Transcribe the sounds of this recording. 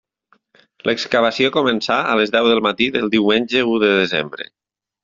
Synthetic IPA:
lʔəkskəβəsiokomənsaə̰ləzðɛwðəlˠmat̪iðəlˠd̪iwmenʲʒəuðəðezḛmbɾə̰

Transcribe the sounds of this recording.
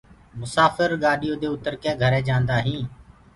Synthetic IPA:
mʊsaːfəɾɡaːɗijoːd̪eːʊt̪əɾkeːɡʱəɾɛ̃ːd͡ʒãːnd̪aːɦĩː

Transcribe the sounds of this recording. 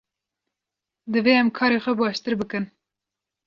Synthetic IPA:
d̪ɨveːɛmkʰɑːɾeːxʷɛbɑːʃt̪ɨɾbɨkɨn

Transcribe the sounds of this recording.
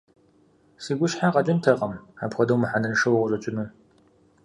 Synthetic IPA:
siːɡʷʊʃħaqɐd͡ʒʼɐntʰɐqʼɐma̰ːbxʷɐdɐwmɨħanɐnɨʂɐwʁʷʊrɐt͡ʃʼɪnuː

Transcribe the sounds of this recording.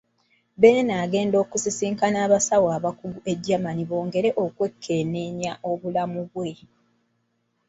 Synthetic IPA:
beːnaːɡe̞ːndo̞ːkusisiːŋkanaːβasawaːβakuɡuʔe̞ɟːamaniβo̞ːŋɡe̞ɾe̞ʔo̞kwe̞kʰːe̞ːne̞ɲaʔo̞βulamuβwe̞

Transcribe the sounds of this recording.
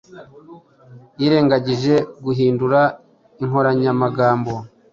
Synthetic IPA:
jiɾe̞ːŋɡaɟiʒe̞ɡuɦiːnduɾa | iŋho̞ɾaɲamaɡaːmbo̞

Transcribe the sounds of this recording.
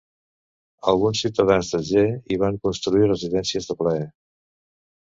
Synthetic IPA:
əlˠɣunsiwt̪əðanzðəʒeiβ̞aŋkunst̪ɾuirəziðɛnsiəzðəpləɛ

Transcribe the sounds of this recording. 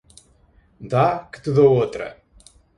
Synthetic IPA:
d̪akɨ̥t̪ɨðoot̪ɾɐ̰

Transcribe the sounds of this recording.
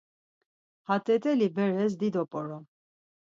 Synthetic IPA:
hat̪ʼɛt̪ʼɛlibɛɾɛs̬d̪id̪ɔpʼɔɾɔm

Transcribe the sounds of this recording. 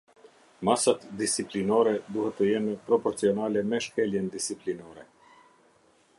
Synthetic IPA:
masat̪d̪ist͡siplinɔɾɛd̪uhɛt̪ːəjɛnpɾɔpɔɾt͡siɔnalɛmɛʃkɛljɛnd̪isiplinɔɾɛ

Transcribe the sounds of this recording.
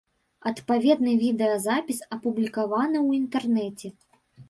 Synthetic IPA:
ɐt̪pavʲɛd̪̚nɨvʲid̪ɛɐzapʲisɐpublʲikavanɨwint̪ɛrnɛt͡sʲɛ

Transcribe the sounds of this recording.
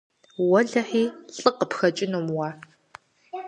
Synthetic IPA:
wɐɮɐħiːɬʼɨqəpxɐt͡ʃʼɪnomwɑː

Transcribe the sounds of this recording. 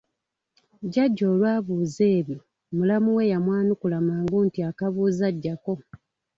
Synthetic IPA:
ɟaɟːo̞ːlwaːβuːze̞ːβji | mulamuwe̞jamwaːnukulamaːŋɡuntiakaβuːzaɟːako̞

